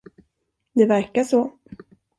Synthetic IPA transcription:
d̪ɛvæɾkaʂɔ

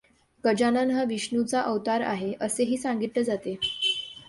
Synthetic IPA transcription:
kəd͡ʑananɦaʋiɕɳut͡saʔəʋt̪aɾa̰ɦeʔəseɦiːsãŋɡit̪ləd͡zat̪e

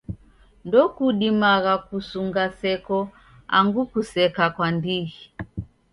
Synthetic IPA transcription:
ndɔkuɗimaɣakusuŋɡasɛkɔ | a̰ŋɡukusɛkakwandiɣi

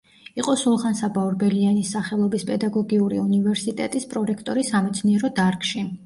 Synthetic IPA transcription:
iqʼɔsulˠχansabauɾbɛlianisaχɛlˠɔbispʼɛd̪aɡɔɡiuɾḭunivɛɾsit̪ʼɛt̪ʼispʼɾɔɾɛkʰt̪ʼɔɾisamɛt̪sʰniɛɾɔd̪aɾkʼʃi

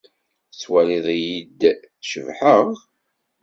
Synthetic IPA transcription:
t͡sːwæliðˤijid̪ | θʃəvħəʁ

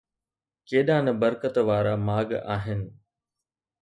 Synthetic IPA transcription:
keːɗãːnɐbɐɾkət̪ʋaːɾamaːɡaːɦɪnɪ̆

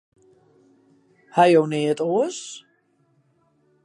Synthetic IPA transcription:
hajowneːətoəs

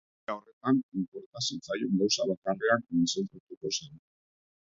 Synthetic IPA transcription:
ao̞re̞t̪animpo̞ɾt̪asit͡sajoŋɡawsaβakare̞and̪isent͡s̪ut̪uko̞sa

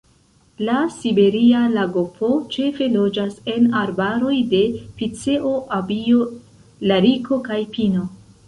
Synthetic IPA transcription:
lasibe̞ɾialaɡopʰo̞t͡ʃe̞fe̞lo̞d͡ʒase̞naɾbaɾo̞jde̞pit͡se̞ʔo̞ʔabio̞ | laɾikʰo̞kajpino̞

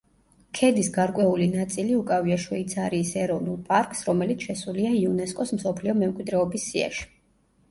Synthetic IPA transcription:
kʰɛd̪isɡaɾkʼwɛulinat̪sʼiliukʼaviaʃwɛit̪sʰaɾiːsɛɾɔvnulˠpʼaɾkʼsɾɔmɛlit̪ʰʃɛsuliaiunɛskʼɔsm̩sɔpʰliɔmɛmkʼwid̪ɾɛɔbisːia̰ʃi̥

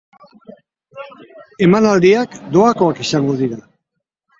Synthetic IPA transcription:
e̞manald̪iakd̪o̞ako̞akisaŋɡo̞ð̞iɾa

